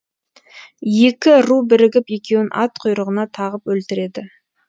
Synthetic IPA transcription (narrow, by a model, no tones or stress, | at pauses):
je̞kʲɪɾubɪɾɪɡʲɪpje̞kʲe̞wɪnʔɑ̰t̪qʰʊjɾəʁənɑt̪ʰɑʁəpwɵlt̪ɪɾe̞d̪ɪ